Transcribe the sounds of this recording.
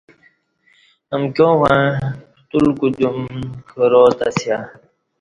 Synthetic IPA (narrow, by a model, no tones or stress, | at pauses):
əmkjõwã | t̪ulkud͡ʑumkəɾoːt̪asja